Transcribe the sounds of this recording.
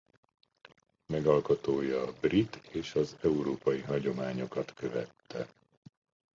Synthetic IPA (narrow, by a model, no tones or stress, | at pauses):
mɛɡɒlkot̪oːjɒbrit̪eːʃɒzɛuɾoːpɒjiɦɒɟo̞maːɲo̞kɒt̪kø̞vɛ̰t̪ːɛ